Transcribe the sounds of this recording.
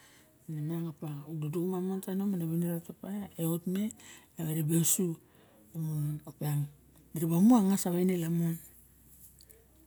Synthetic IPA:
nemaŋapaududukumamontanomanaβaneɾatapajaeotme̞ | aβaɾebeosu | omunopeaŋ | diɾiβamuaŋasaβajnelamon

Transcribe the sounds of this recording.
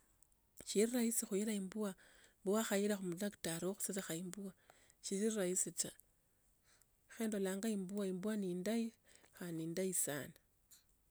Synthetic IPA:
ʃiriraisixujiɾaimbuwa | buwaxajiɾaxumulaktaɾooxu̥sesaxaimbua | ʃiiriɾajisit͡ʃa | xeːndolaːŋɡaimbuwaimbuwanindaixaniːndaisa̰na

